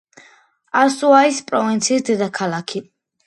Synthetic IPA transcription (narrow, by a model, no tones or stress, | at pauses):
asuaispʼɾɔvint̪sʰiːsd̪ɛd̪akʰalˠakʰi